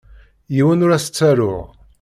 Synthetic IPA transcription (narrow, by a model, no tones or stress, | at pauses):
jiwənʊɾæsə̥t͡sːæɾʊʁ